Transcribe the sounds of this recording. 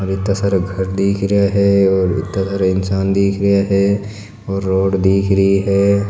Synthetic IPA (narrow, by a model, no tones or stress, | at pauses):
ɾɪt̪ːasɐɾɡʱɐɾd̪iːkʰɾɐjaɦɛɔːɾɪ̰t̪ːasəɾɪnsaːnd̪iːkʰɾəjaɦɛ | ɔːɾːoːɖd̪iːkʰɾəɦiɦɛː